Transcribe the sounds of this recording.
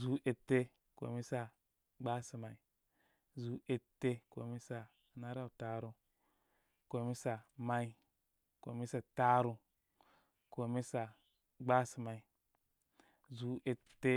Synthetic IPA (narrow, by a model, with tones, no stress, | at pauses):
zu˨˦ʔe˨te˦ | ko̰˨mi˦sa˨ | ɡ͡ba˦si˨ma˨i˨ | zu˨˦e˨tːe˦ko̰˨mi˦sa˨ | na˦ɾa˦˨ta˨ɾu˨ | ko˨mi˦sa˨ma˨i˦˨ | ko̰˨mi˦sa˨ta˦ɾu˧ | ko˨mi˦sa˨ | ɡ͡ba˦si˨ma˨i˨ | zu˨˦e˨tːe˦